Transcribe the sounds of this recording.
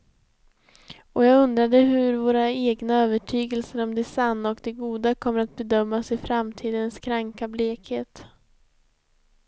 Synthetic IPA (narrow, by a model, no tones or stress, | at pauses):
ɔjɑːɡɵnd̪ɾad̪əɦɵɾvoːɾaeːɡnaøːvəʈʰyːɡəlsəɾɔmd̪ɛsanːɔkd̪ɛɡuːd̪akʰɔmːəɾat̪̚bɛd̪œmːasɪfɾamt̪ʰiːd̪ənskʰɾaŋkableːkheːt̪